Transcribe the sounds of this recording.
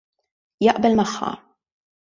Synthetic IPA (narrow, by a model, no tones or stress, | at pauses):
jɐʔbɛlmɐħːɐ̰